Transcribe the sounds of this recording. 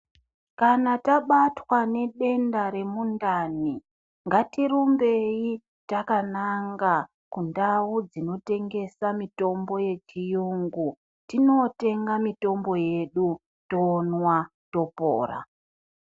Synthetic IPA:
kanataɓatwane̞ɗe̞ndaɾe̞mundani | ŋɡatirumbe̞ji | takanaŋɡa | kundawud͡zino̞te̞ŋɡe̞samito̞mbo̞je̞t͡ʃijuŋɡu | tino̞te̞ŋɡamito̞mbo̞je̞ɗu | to̞ːnwa | to̞po̰ːra̰

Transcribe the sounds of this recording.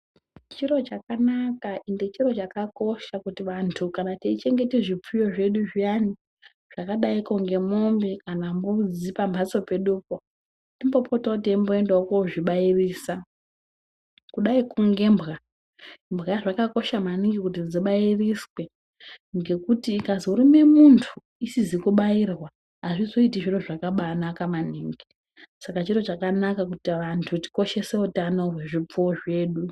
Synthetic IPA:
t͡ʃiɾo̞t͡ʃakanakaʔindet͡ʃiro̞t͡ʃakako̞ʃakutiʋantʰukanateit͡ʃe̞ŋɡe̞tiʐip͡fujo̞ʐe̞ɗuʐijani | ʐ̥akaɗaiko̞ŋɡe̞mombikanambud͡zipambʱaso̞pe̞ɗupo | timbo̞potaut̬eimbo̞endaokoʐiɓairiːsa | kuɗaikuŋɡe̞mbɣa | mbɣaʐakako̞ʃamaniŋɡikut̬id͡ziɓairiswe̞ | ŋɡe̞kutiːkazouɾime̞muntʰu̥ | isizikuɓairwa | ɦaʐizo̞itiʐiroʐakaɓanakamaniːŋɡi | sakat͡ʃiɾo̞t͡ʃakanakakutiʋantʰuti̥ko̞ʃe̞se̞utano̞ɦwe̞ʐip͡foʐe̞ːɗu

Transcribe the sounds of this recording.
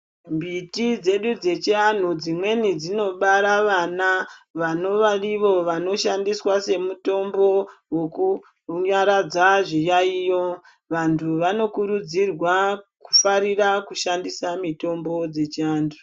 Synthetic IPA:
mbitid͡ze̞ɗud͡ze̞t͡ʃian̤ud͡zimwe̞nid͡zino̞ɓaɾaʋanaʋano̞ʋariʋo̞ʋano̞ʃandiswase̞muto̞mbo̞weku | ɲaɾad͡zaʐijaijo̞ | ʋantʰuʋano̞kuɾud͡zirwaku̥faɾirakuʃandisamito̞mbo̞d͡ze̞t͡ʃiaːndu

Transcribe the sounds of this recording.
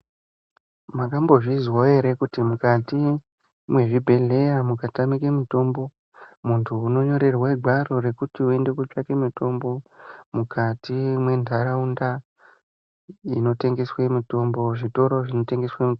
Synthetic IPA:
makambo̞ʐizwoeɾekutimukati | mwe̞ʐibʱe̞ɮe̞jamukatamikemito̞mbo̞ | muntʰuːno̞ɲo̞ɾe̞rwaiɡʱwaro̞re̞kutiue̞nde̞kot͡ʂake̞mito̞mbo̞mukʰatʰimwe̞ndʱaɾaunda | ino̞te̞ŋɡe̞swemito̞mbo̞ʐito̞ɾo̞ʐino̞te̞ŋɡe̞swami

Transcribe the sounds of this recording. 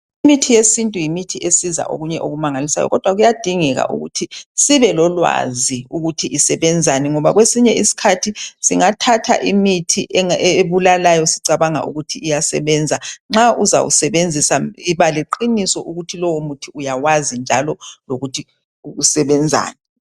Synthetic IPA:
imitʰijesintʼujimitʰiʔesiza̰ʔo̰ɣuɲɛʔoɣumaŋalisa̰jɔ̰ɣɔd̥ʱwaɣujad̥ʱiŋɛɣa̰ʔṵɣṵtʰisiβɛlɔlwa̰ziuɣutʰiʔisɛβɛnd͡zʱanɛŋɔβaɣwesiɲɛisi̥kʰatʰisiŋatʰatʰa̰ʔimitʰiʔeβulalajɔsiǀaβaŋa̰ʔṵɣutʰiːjasɛ̰βɛnd͡zʱaŋ͡ǁauza̰wṵsɛβend͡zʱisaiβaleǃinisɔʔuɣutʰilɔwomutʰiujawazind͡ʒʱalɔloɣutʰi | uɣusɛβɛnd͡zʱa̰ːnɛ

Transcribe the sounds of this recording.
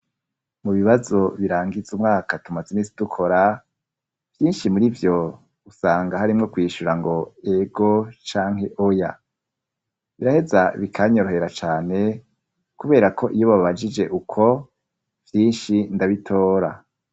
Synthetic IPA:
muβiβazo̞βiɾaːŋɡizumŋaːkatumazeniːsidukʰo̞ɾa | v̥jiːnʃimuɾivjo̞ | usaːŋɡahaɾimŋo̞kwiːʃuɾaŋɡo̞e̞ɡo̞t͡ʃaːŋ̥he̞ʔoja̰ | βiɾahe̞zaβikʰaɲoɾohe̞ɾat͡ʃaːne̞ | kuβe̞ːɾakʰo̞ʔijo̞βaββad͡ʒid͡ʒe̞ʔukʰo̞ | v̥jiːnʃindaβitʰo̞ːɾa̰

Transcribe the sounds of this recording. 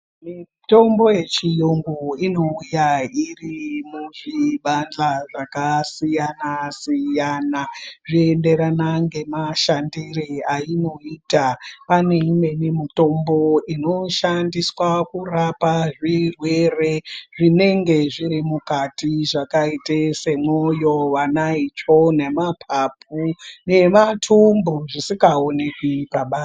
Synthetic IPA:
mi | to̞mbo̞je̞t͡ʃijoŋɡoino̞ujairimuʐiɓand͡ɮaʐakasijanasijanaʐiende̞ɾanaŋɡe̞maʃandiriaino̞iːtapane̞imwe̞nemito̞mbo̞ino̞ʃandiswakurapaʐirwe̞reʐine̞ŋɡe̞ʐiɾimukatiʐakaitese̞mojo̞ʋanait͡ʃone̞mapʰapune̞matʰumboʐisikaonekwipaɓaːs

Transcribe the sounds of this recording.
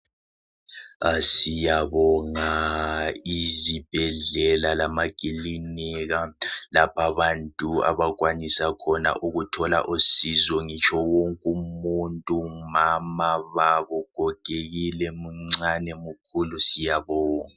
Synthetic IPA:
sijaβɔŋa | izib̥ʱɛɮɛlalamakʼiliniɣalapʰaβantʼua̰βaɣwanisakʰɔna̰ʔuɣutʰɔla̰ʔusizɔŋit͡ʃʰɔwoŋkʼumuntʼumamaβaβɔɡ̥ʱɔɡ̥ʼʱeɣilɛmuŋ͡ǀanɛmukʰulusijaβɔːŋa

